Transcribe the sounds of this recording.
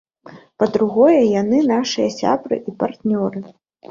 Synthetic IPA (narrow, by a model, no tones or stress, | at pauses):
pɐd̪ɾuɣɔjɛjanɨnaʂɨjɐsʲa̰bɾɨ̰ʔipart̪nʲɔɾɨ